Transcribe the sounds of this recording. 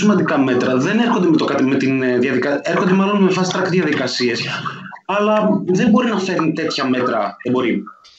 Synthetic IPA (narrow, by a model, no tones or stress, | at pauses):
simɐnd̪ikɐme̞t̪ɾɐðe̞neɾxo̞nd̪emet̪okɐt̪imet̪inðjɐðikɐeɾxo̞nd̪e̞mɐlo̞nmefɐsist̪ɾɐkðjɐðikɐsie̞sɐlɐðe̞mbo̞ɾinɐfe̞ɾnit̪e̞t̪çɐme̞t̪ɾɐðebo̞ɾi